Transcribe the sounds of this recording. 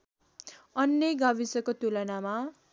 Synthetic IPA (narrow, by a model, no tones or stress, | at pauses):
ʌnːjʌɡabisʌkot̪ulʌnama